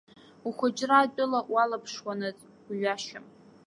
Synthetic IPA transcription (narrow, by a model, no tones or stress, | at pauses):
uχʷʊd͡ʒʼraːt͡pʼʊlaʔwalapʰʂwanɨzʼ | ɥaʃam